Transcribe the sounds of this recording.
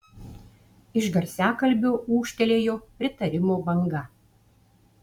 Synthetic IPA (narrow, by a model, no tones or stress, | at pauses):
ɪʃɡɐɾʲsʲæːkɐlʲbʲouːʃʲt̪ʲɛlʲeːjoːpʲɾʲɪt̪ɐɾʲɪmoːbɐŋɡɐ